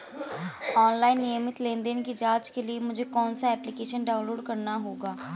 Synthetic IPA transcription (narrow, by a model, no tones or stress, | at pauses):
ɔːnlaːinːiəmɪt̪lẽːnd̪eːnkid͡ʒaːt͡ʃkeliemʊd͡ʒʱeːkɔːnsaːɛːplɪkeːʃənɖaːʊ̃nloːɖkəɾnaːɦoːɡaː